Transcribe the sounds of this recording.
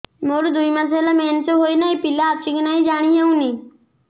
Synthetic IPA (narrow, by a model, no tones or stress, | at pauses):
moːɾud̪ʊiməs̬aːlameːnt͡ʃoːɦoːinaːipɪlaːt͡ʃɪɡnaːĩd͡ʒaːɽ̃iːɦeũːniː